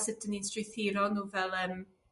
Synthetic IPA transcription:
sɪdəninstrɪθiɾɔnuːvɛlˠəːm

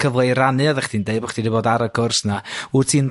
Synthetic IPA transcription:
kʰəvlˠejɾanɨɔðɛχd̥iːndeɨbɔχd̥ʰidiboːdaɾəkʰʊrsnautʰiːn

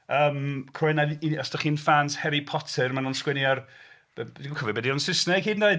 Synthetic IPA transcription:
əːmkʰrʊɨnaðiɔsd̥aχiːnfaːnshɛɾipʰɔtʰɛrmanuːnskwɛniar̥ | kʰɔvɛbɛdiɔnsɪsnɛkʰiːdndeɨ

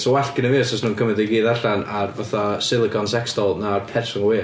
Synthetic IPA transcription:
sɔwaɬkɪnəvɨːsɔsnuːnkʰəmɛdɪɡiːðaɬanarvaθasɪlˠɪɡɔnsɛkstɔlˠnarpʰɛrsʊŋwiː

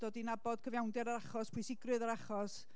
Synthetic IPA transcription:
d̥oːdinabɔd̥kʰəvjawndɛɾaɾaχɔspʰwɪsɪɡrɨðaɾaχɔs

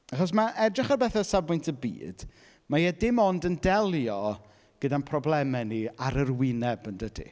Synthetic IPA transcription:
aχɔs̬maʔɛdrɪχarbɛθɛsabʊjntʰəbḭːd̥ | majɛdɪmɔndəndɛlˠjɔ | ɡ̥ədanpʰrɔblɛmɛniaɾərwɪnɛbəndədḭ

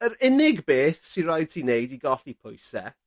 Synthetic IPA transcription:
əɾɪnɪɡbeːθsirajd̥̚tʰinejdiɡɔɬipʰʊjsɛ

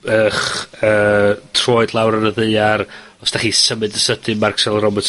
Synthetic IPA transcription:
əχəːtʰroːɨdlˠawɾənəðɨɨaɾ | ɔsd̥aχiːsəmɨdəsədɨmarksɛlˠrɔbɔtʰ

